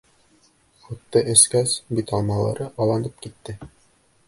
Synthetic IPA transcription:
χut̪ːɤʔɘ̆skæsbit̪ɑlˠmɑlˠɑ̰ɾɤʔɑlˠɑnɤp̚kit̪ːɘ

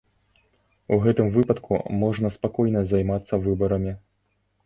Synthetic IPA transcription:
uɣɛt̪ɨmvɨpɐt̪kʰṵmɔʐnɐspakɔjnɐzajmat̪sːɐvɨbɐɾɐmʲi

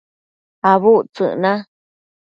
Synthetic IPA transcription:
aβut͡sɨ̰̃ʔnã

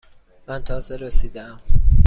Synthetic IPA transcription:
mænt̪ʰɒːzeɾesiːd̪eæm

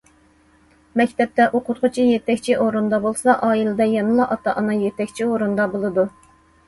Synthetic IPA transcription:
mɛkʲt̪ʰɛp̚t̪ɛʔoqʰʊɾqʰʊt͡ʃʰijet̪ʰɛkʲt͡ʃʰiʔoɾund̪ɑbolˠsɑʔɑːilˠɨd̪ɛjɑnɨlˠɑʔɑt̪ʰɑʔɑnɑjet̪ɛkʲt͡ʃʰioɾund̪ɑbolˠɨd̪u

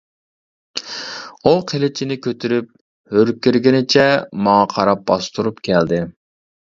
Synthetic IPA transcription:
uqʰelɪt͡ʃʰinɪkʲʰøt̪ʰyɾyp̚ | høɾkʲːiɾɡʲɪnɪt͡ʃʰɛmɑŋɑqʰɑɾɑp̚bɑst̪uɾupkʲʰɛld̪ɪ

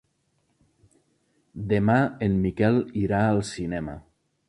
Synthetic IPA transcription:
d̪emaemmikɛliɾaəlˠsinɛmə̰

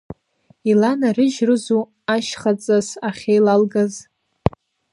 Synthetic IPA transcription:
ilanarɨʒrɨzu | aʃχat͡sʼasaχʲejlalɡaz

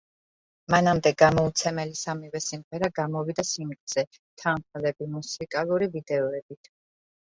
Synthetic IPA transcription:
manamd̪ɛɡamɔut̪sʰɛmɛlisamivɛsimʁɛɾaɡamɔvid̪asimχz̥ɛ | t̪ʰanχlɛbimusikʼalˠuɾivid̪ɛɔɛbit̪ʰ

